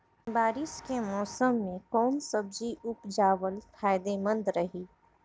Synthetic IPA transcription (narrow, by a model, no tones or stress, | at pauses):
baːɾɪʃkemɔːsəmːẽkɔːnsəbd͡ʒiʔʊpd͡ʒaːʋəlfʰaːjd̪emə̃nd̪ɾɐɦiː